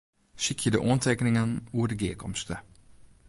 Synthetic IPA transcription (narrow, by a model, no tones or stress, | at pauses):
ʃɪkʰəd̪ə̰ʔɔnt̪ʰɛknɪŋənuːɾəɡeːkʰɔ̰mst̪ʰə